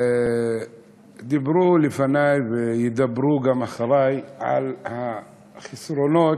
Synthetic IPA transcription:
d̪ɪbɾulɪfanajbɪjɪd̪abːɾuɡamaxɑɾˤɑːjʕa̰lha | xɪsɾonoːt̪

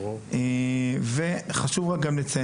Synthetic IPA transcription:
eveχaʃuvʁak̚ɡamlet͡sa

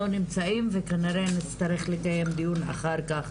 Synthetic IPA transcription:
onimt͡saimvekaniɾe̞nit͡st̪aɾe̞χlekaje̞md̪ijuna̰χaɾkaχ

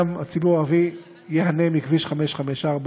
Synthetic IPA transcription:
mat͡sibuʁavi | jeɦanemikviʃχameʃχameʃaʁb

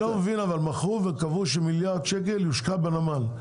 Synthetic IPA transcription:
omevinavalmaχuvekavuʃ̬emiljaʁd̪ʃekeljuʃkabenamal

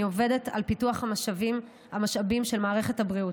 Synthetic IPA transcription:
iove̞de̞ta̰lpituaχhamaʃavim | hamaʃabimʃe̞lmaːʁeχethabʁiu

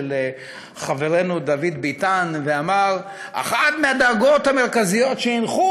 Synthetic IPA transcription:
le | χave̞ʁe̞nud̪avid̪bit̪anveamaʁ | a̰χat̪mead̪aɡo̞t̪hame̞ʁkazijo̞tʃeinχu

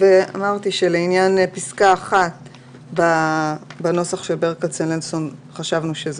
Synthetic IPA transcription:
vea̰maʁt̪iʃeleinjanpiskaːχat̪ | ba | bano̞saχʃelbeʁekat͡senlenso̞nχaʃavnuʃez

